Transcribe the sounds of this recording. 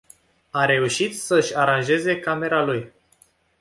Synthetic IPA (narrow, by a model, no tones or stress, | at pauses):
aɾe̞uʃit̪səɨʃʲaɾanʒe̞ze̞kame̞ɾaluj